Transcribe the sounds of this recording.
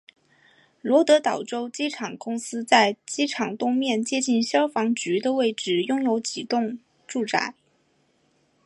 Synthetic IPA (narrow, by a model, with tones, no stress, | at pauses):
lwɔ˧˥t̪ɤ˧˥t̪ɑ˨˩ʊʈ͡ʂo˥ʊt͡ɕi˥ʈ͡ʂʰɑ˨˩ŋkʊ˥ŋsɹ̩˥t͡sa˥˧ɪt͡ɕi˥ʈ͡ʂʰɑ˨˩ŋt̪ʊ˥ŋmjɛ˥˧nt͡ɕjɛ˥˧t͡ɕi˥˩nɕjɑ˥ʊfɑ˧˥ŋt͡ɕy˧˥d̪ə˧we˥˩ɪʈ͡ʂɻ̩˨˩jʊ˥˧ŋjo˧˥ʊt͡ɕi˨˩t̪ʊ˥˧ŋ | ʈ͡ʂu˥˩ʈ͡ʂa̰˧˥ɪ